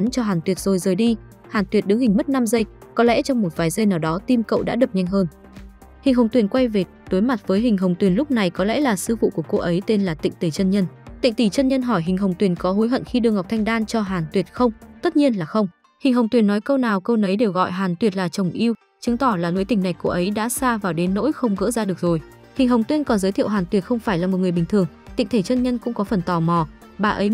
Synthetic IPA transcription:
nt͡ɕɔ˧ɦaː˨˩nt̪wi˨˩ət̚zo˨˩jzəː˨˩jɗi˧ | haː˨˩nt̪wi˨˩ət̚ɗɨ˨˧˦hï˨˩ŋ̟mə˦˥t̚na˧mzə˧jkɔ˨˦lɛ̰˧˥t͡ɕɔ˧wŋ͡mmo˨˩t̚vaː˨˩jzə˧jnaː˨˩wɗɔ˨˦t̪i˧mkə̰˧˨wɗa̰ː˧˥ɗə˨˩p̚ɲa˧jŋ̟ɦəː˧n | hï˨˩ŋ̟ɦə˨˩wŋ͡mt̪wi˨˩ənkwa˧jve˨˩ | ɗ̪o˨˦jma˨˩t̚vəː˨˦jɦï˨˩ŋ̟ɦə˨˩wŋ͡mt̪wi˨˩ənlʊ˦˥k͡p̚na˨˩jkɔ˨˦lɛ̰˧˥laː˨˩sɨ̰˧vṵ˧˨ku˧˩əko˧ʔə˨˦jt̪e˧nlaː˨˩t̪ḭ̈˧˨ŋ̟t̪i˨˩t͡ɕə˧nɲə˧nt̪ḭ˧˨ŋ̟t̪i˧˨˩t͡ɕə˧nɲə˧nɦɔ˧˩jɦï˨˩ŋ̟ɦə˨˩wŋ͡mt̪wi˨˩ənkɔ˨˦ɦo˨˦jɦə̰˧˨nxi˧ɗɨ˧əŋa˨˩k͡p̚t̪ʰa˧jŋ̟ɗaː˧nt͡ɕɔ˧ɦaː˨˩nt̪wi˨˩ət̚xə˧wŋ͡mt̪ə˦˥t̚ɲi˧ənlaː˨˩xə˧wŋ͡m | hï˨˩ŋ̟ɦə˨˩wŋ͡mt̪wi˨˩ənːɔ˨˦jkə˧wnaː˨˩wkə˧wnə˨˦jɗe˨˩wɣɔ̰˧˨jɦaː˨˩nt̪wi˨˩ət̚laː˨˩t͡ɕə˨˩wŋ͡mʔi˧əw | t͡ɕɨ˨˦ŋt̪ɔ˧˩laː˨˩nṵ˧˦jt̪ï˧˩ŋna˨˩jko˧ʔə˨˦jɗa̰ː˧˥saː˧vaː˨˩wɗe˨˦nːo̰˧˥jxə˧wŋ͡mɣə̰ː˧˥zaː˧ɗɨ˨˩ək̚zo˨˩j | hï˨˩ŋ̟ɦə˨˩wŋ͡mt̪wi˧nkɔ˨˦nzəː˨˦jt̪ʰḭ˧˨wɦaː˨˩nt̪wi˨˩ət̚xə˧wŋ͡mfaː˧˩jlaː˨˩mo˨˩t̚ŋ˨˩əɓi˨˩ŋ̟t̪ʰɨ˨˩əŋ | t̪ḭ˧˨ŋ̟t̪ʰe˧˩t͡ɕʰə˧nɲə˧nkʊ̰˧˥ŋ͡mkɔ˨˦fə˨˩nt̪ɔ˨˩mɔ˨˩ | ɓaː˨˩ʔə˨˦j

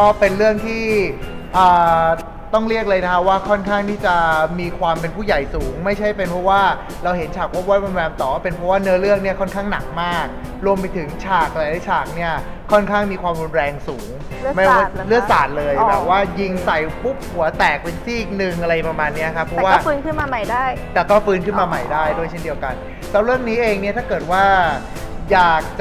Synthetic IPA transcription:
kɔ˦˥˩pe˧nɾɯ˥˩əŋt̪ʰiː˥˩ʔɤː˨˩ | t̪ɔ˥˩ŋɾi˥˩ək̚lɤː˧jna˦˥kʰa˦˥waː˥˩kʰɔ˥˩nkʰaː˥˩ŋt̪ʰiː˥˩t͡ɕa˨˩miː˧kʰwaː˧mpe˧npʰuː˥˩ja˨˩jsuː˩˦ŋma˥˩jt͡ɕʰa˥˩jpe˧npʰɔ˦˥waː˥˩ | ɾa˧wɦe˩˦nt͡ɕʰaː˨˩k̚wo˦˥wɔ˥˩ɾu˧nwɛː˧mt̪ɔː˨˩˥pe˧npʰɾɔ˦˥waː˥˩nɯ˦˥lɯ˥˩ək̚ni˥˩ɐkʰɔ˥˩nkʰaː˥˩ŋna˨˩k̚maː˥˩k̚ | ɾu˧əmp̬a˧jt̪ʰɯ˨˩˦ŋt͡ɕʰaː˨˩k̚ʔa˧la˧jla˦˥jt͡ɕʰaː˨˩k̚ni˥˩ɐ | kʰːɔ˥˩nkʰaː˥˩ŋmiː˧kʰwaː˧mɾu˧nɾɛː˧ŋsuː˩˦ŋ˥ | ma˥˩˦lɯ˥˩ək̚saː˨˩t̪̚lɤː˧jbɛː˨˩p̚waː˥˩ji˧ŋsa˨˩jpʰu˦˥p̚hu˨˩˦ɐt̪ɛː˨˩k̚pe˧nsiː˥˩k̚nɯ˨˧ŋʔa˧ɾa˧jpɾa˧maː˧nːi˦˥ɐkʰa˦˥pʰɾɔ˦˨˥waː˥˩fɯː˧nkʰɯ˥˩nmaː˧ma˨˩jdaː˥˩jt̪ɛː˨˩kɔː˥˩fɯː˨˧nkʰɯ˥˩nmaː˧ma˨˩jdaː˥˩jdu˥˩əjt͡ɕʰe˥˩ndi˧əwka˧n | sʰɛ˦˥wɾɯ˥˩əŋniː˦˥ʔeː˧ŋni˥˩t̪ʰaː˥˩kɤː˨˩t̪̚waː˥˩ | jaː˨˩k̚t͡ɕa

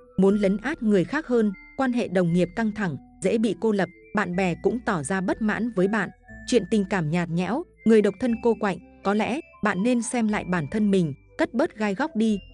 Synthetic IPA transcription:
mu˨˦nlə˨˦ŋʔaː˦˥t̚ŋɨ˨˩əjxaː˦˥k̚həː˧nkwaː˧nɦḛ˧˨ɗə˨˩wŋ͡mŋi˨˩əp̚ka˧ŋt̪ʰa˧˩ŋ | zḛ˧˥ɓḭ˧˨ko˧lə˨˩p̚ɓa̰ː˧˨nɓɛ˨˩kʊ̰˧˥ŋ͡mt̪ɔ˧˩zaː˧ɓə˦˥t̚ma̰ː˧˥nvəː˨˦jɓa̰ː˧˨nt͡ɕwḭ˧˨ənt̪ï˨˩ŋ̟kaː˧˩mɲaː˨˩t̚ɲɛ̰˧˥w | ŋɨ˨˩əjɗə˨˩w̚t̪ʰə˧nko˧kwa̰˧˨jŋ̟kɔ˨˦lɛ̰˧˥ | ɓa̰ː˧˨nːe˧nsɛ˧mla̰ː˧˨jɓaː˧˩nt̪ʰə˧nmï˨˩ŋ̟kə˦˥t̚ɓə˦˥t̚ɣaː˧jɣɔ˦˥wk͡p̚ɗi˧

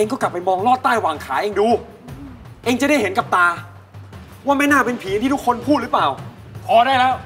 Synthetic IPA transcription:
ʔe˧ŋk̬ɔː˥˩kla˨˩pːa˧jmɔː˧ŋlɔː˥˩t̪ːaː˥˩jwaː˨˩ŋkʰaː˩˦ʔeː˧ŋduː˧ | ʔeː˧ŋt͡ɕa˨˩ɾa˥˩jɦe˩˦nka˨˩p̚t̪aː˧ | waː˥˩ma˥˩jnaː˥˩pe˧npʰiː˩˦nt̪ʰiː˥˩u˥kʰːo˧npʰuː˥˩t̪̚lɯ˦˥plaː˨˩w | pʰɔː˧ɾaː˥˩jlɛː˦˥˩w

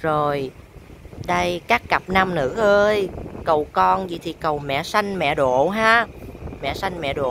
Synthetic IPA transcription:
zo˨˩j | ɗə˧jkaː˦˥kːa˨˩p̚na˧mnɨ̰˧˥ʔəː˧jkə˨˩wkɔ˧nzḭ˧˨˩t̪ʰi˨˩kə˨˩wmɛ̰˧˨sa˧jŋ̟mɛ̰˧˨ɗo̰˧˨ɦaː˨˦˥mɛ̰˧˨sa˧jŋ̟mɛ̰˧˨ɗo̰˧˨

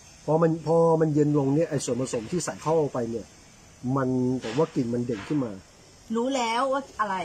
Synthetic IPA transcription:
pʰɔ˧˥ma˧npʰɔː˧˥ma˧nje˧nlo˧ŋni˥˩ɐʔa˧jsu˨˩ənpa˧so˨˦mt̪ʰiː˥˩sa˨˩˦jk̪ʰɔ˥˩wʔa˧˩wpa˧jni˥˩ɐ | ma˧nbɛː˨˩˦p̚waː˥˩ki˧˩nma˧nde˨˩ŋkʰɯ˥˩nmaː˧ | ɾuː˦˥lɛː˦˥waː˥˩ʔa˧ɾa˧j

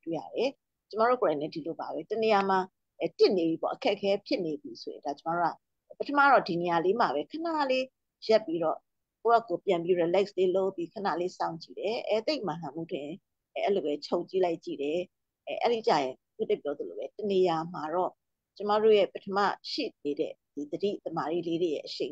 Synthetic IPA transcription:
twe˦˨ja̰˦˨ɾɛ˨ | t͡ɕə˦ma˦˨ɹo̰˦˨ko˨ɾã˨ɪ̃nɛ̰˦˨di˨lo˨ba˨βɛ˦təne˨ja˨ma˨ | ɛ˨tɪ˦˨ne˨bi˨bɔ̰˦˨ʔəkʰɛ˦ʔkʰːɛ˦pʰjɪ˦ʔne˨bji˨so˨jɪ̰̃˨da˨t͡ɕə˦ma˦ɹo˦˨a˦˨ | pə˦tʰəma̰˦˨ɹɔ˦˨di˨ne˨ja˨le˦m̥a˨βɛ˦kʰə˨na̰˦˨le˦ | jɛ˦˨pːi˦ɾɔ̰˦˨ | ko˦˨ɛ˦˨kːo˨pjã˨mpji˦ɹe˨lɛ˦ksle˦lo˦˨pːji˦kʰəna̰˦˨le˦sã̰˦˨ʊ̃ɲt͡ɕḭ˦˨ɾɛ˨ʔɛ˦t̪e˦ɪʔmã˨lã˨mṵ˦˨tʰɪ̰̃˨ | ʔɛ˦lo˨βɛ˦t͡ɕʰo˦ʊɲt͡ɕi˦la˦ɪʔt͡ɕḭ˦˨ɾɛ˨ | ɛ˨ʔɛ̰˦ɾi˨t͡ɕa̰˨jɪ̃˨ | ku˦tɛ̃˦˨p̚jɔ˦d̪ə˨lo̰˨bɛ˦təne˨ja˨ma˨ɹɔ˦˨ | t͡ɕə˦ma˦˨ɹo̰˦˨jɛ˦˨pətʰəma̰˦˨ʃḭ˦˨ne˨ɾɛ̰˦˨ | d̥i˨d̪ədḭ˦˨t̪əma˨ɹḭ˦le˦ɹe˨jɛ̰˦ʔəʃḛ̃˦˨

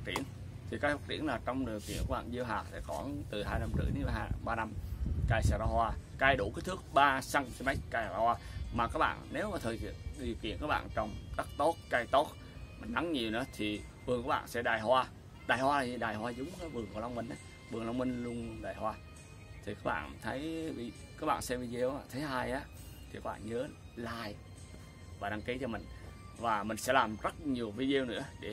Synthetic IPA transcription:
faː˦˥t͡ɕi˧˩ən | t̪ʰi˨˩kaː˧˦jfaː˦˥t̚t͡ɕḭ˧˩ənlaː˨˩t͡ɕɔ˧wŋ͡mɗi˨˩əwkḭ˨˧˨nku˨˧˦ɓa̰ː˧˨nzi˧wɦaː˨˩sɛ̰˧˥kɔ˧˩˦t̪ɨ˨˩ɦaː˧jna˧mt̪ɨ̰˧˩˦jni˧ɓaː˧na˧mkaː˧jsa˧˩ɾa˧ɦwaː˧kaː˧jɗu˧˩kaː˨˦jt̪ʰɨ˦˥ək̚ɓaː˧sa˧ŋsi˧ma˦˥jt̚kaː˧ja˧a˧hwaː˧maː˨˩ka˦˥k̚ɓa̰ː˧˨nne˨˦wmaː˨˩t̪ʰəː˨˩jkḭ˧˨əɗi˨˩əwkḭ˧˨ənkaː˧˦˥ɓ̰ːnt͡ɕɔ˧wŋ͡mɗa˦˥k̚t̪o˦˥t̚ka˧jt̪o˦˥t̚ | ma˨˩n̟na˨˦ŋɲi˨˩əwnɨ̰˧˥ə˦t̪ʰi˨˩ | vɨ˨˩ŋkːɓa̰ː˧˨nsɛ̰˧˥ɗaː˨˩jhwaː˧ | ɗaː˨˩jhwaː˧la˨˩zi˧˩ɗaː˨˩jhwaː˧zʊ˨˦wŋ͡ma˨˦vɨ˨˩əŋku˨˩˦la˧wŋ͡mmï˧ŋ̟ʔaː˨˦ | ɓɨ˨˩əŋla˧wŋ͡mmi˧ŋlʊ˧əŋɗaː˨˩jhwaː˧ | t̪ʰi˨˩kaː˦˥ɓa̰ː˧˨nt̪ʰə˨˦jvi˧ | kaː˦˥k̚ɓa̰ː˧˨nsɛ˧vi˧ze˧waː˧˩t̪ʰə˨˦jɦaː˧jʔaː˨˦t̪ʰi˨˩kaː˦˥kɓa̰ː˧˨nɲəː˨˦ | laː˨˩j | vaː˨˩ɗaː˧ŋki˨˦t͡ɕɔ˧mï˨˩ŋ̟vaː˨˩mï˨˩ŋ̟sɛ̰˧˥laː˨˩mzə˦˥t̚ɲi˨˩əwvi˧zwnɨ̰˧˥əɗe˧˩

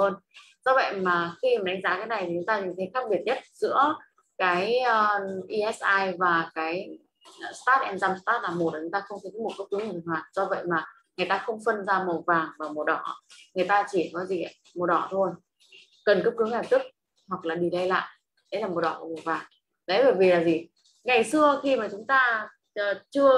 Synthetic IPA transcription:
əː˧n | zɔ˧və̰˧˨jmaː˨˩xi˧i˨˩mɗa˨˦ŋ̟zaː˧˦kaː˨˦jna˨˩jt̪ʰi˨˩t͡ɕʊ˨˦ŋ͡mt̪aː˧i˧˨˩t̪ʰə˨˦jxa˦˥k̚ɓi˨˩ət̚ɲə˦˥t̚z̥ɨ̰˧˥ə | kaː˨˦j | ʔi˧ʔɛ˦˥sʔaː˧jvaː˨˩kaː˨˦j | st̪aː˦˥t̚ʔɛ˧mzaː˧mst̪aː˦˥t̚laː˨˩mo˨˩laː˨˩t͡ɕʊ˨˦t̪aː˧xə˧wŋ͡mt̪ʰə˨˦mo˨˩t̚kə˦˥p̚ɨ˨˦ŋha˨˩˨nhwaː˨˩t̚z̥ɔ˧və̰˧˨jmaː˨˩ | ŋɨ˨əjt̪aː˧xə˧wŋ͡mfə˧nzaː˧mə˨˩vaː˨˩ŋvaː˨˩wmo˨˩ɗɔ˧˩ŋɨ˨˩əjt̪aː˧t͡ɕi˧˩˨kɔ˨˦zi˨˩ʔə˧˩˦ | mo˨˩ɗɔ˧˩t̪ʰo˧j | kə˨˩nkəː˦˥p̚kɨ˨˦ŋa˨˩t̪ɨ˦˥k̚ | hwa˨˩k̚laː˨˩ɗi˧˨˩lə˧jla̰ː˧˨jʔ | ɗə̰˧˥˦laː˨˩mo˨˩ɗɔ˧˩kːmo˨˩vaː˨˩ŋ | ɗə̰˧˦jvəː˧˩jvi˨˩laː˨˩zi˨˩ | ŋa˨˩jsɨ˧əxi˧maː˨˩t͡ɕʊ˨˦ŋ͡mt̪aː˧ | ʔːt͡ɕɨ˧ə

